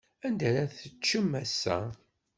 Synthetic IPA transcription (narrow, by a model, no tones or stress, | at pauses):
ænd̪æɾæθət͡ʃːəmːæsːæ̰